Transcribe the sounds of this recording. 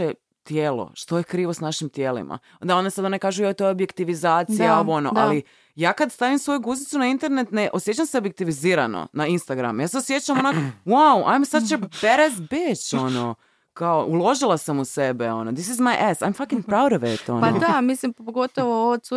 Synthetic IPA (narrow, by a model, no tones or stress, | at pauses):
e | t̪jeːlo̰ʃt̪o̞jekɾiːʋosnaʃimt̪jeːlḭmʔa̰ | d̪ao̞nesad̪onekaːʒujojt̪ojeobjekt̪iʋizaːt̪siaoʋoono̰ʔali | jaːkad̪st̪aʋimsʋo̞juɡuzit̪sunaint̪e̞ɾne̞t̪neʔosjet͡ɕamseobjek̚t̪iʋiziːɾano̰nainst̪aɡɾa̰mujaːseosjet͡ɕamonakwawa̰jmsat͡ʃepeɾezbet͡ɕo̞no̰ | kaoʔulˠo̞ʒilˠasamusebeo̞nod̪isizmajʔɛsajmfakĩŋpɾawɾoʋet̪o̞̰ond̪amislimppoɡot̪oʋooosu